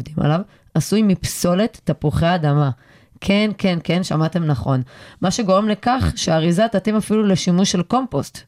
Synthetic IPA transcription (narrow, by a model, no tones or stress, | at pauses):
vdima̰lav | asujmipso̞le̞t̪ːapuχeaːd̪ama | kʰe̞nke̞nke̞nʃamat̪e̞mnaχo̞nmaʃe̞ɡo̞ʁe̞mle̞kaχʃeaʁizat̪atimafilule̞ʃimuʃelko̞mpost̪